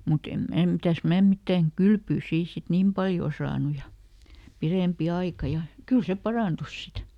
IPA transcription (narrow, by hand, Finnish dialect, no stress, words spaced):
mut em mæː mitæs mæː mitːæŋ kylpyː siː sit niːm pɑljoˑ sɑːnu jɑ pireˑmpi ɑikɑ jɑ kyl se pɑrɑˑntus sit